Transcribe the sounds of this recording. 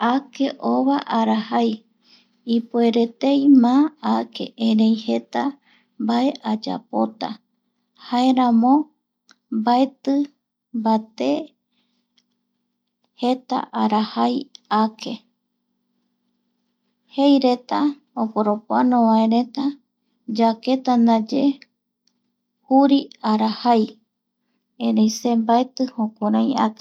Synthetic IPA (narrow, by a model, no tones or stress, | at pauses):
ake̞ʔoβaʔaɾahaj | ipue̞ɾe̞t̪e̞jmãakʰe̞̰ʔẽɾẽjhe̞t̪a | mbae̞ʔad͡ʒa̰po̞̰t̪a̰ | haeɾamõ | baet̪ɨ | bat̪e̞ | het̪a̰ʔaɾahajake̞ | hejɾe̞t̪a | opoɾopoanõβaẽɾẽ̞t̪a | d͡ʒake̞t̪and̪ad͡ʒe | huɾiaɾahaj | ẽɾejsembaet̪ɨhõkʷaɾãj̃ake̥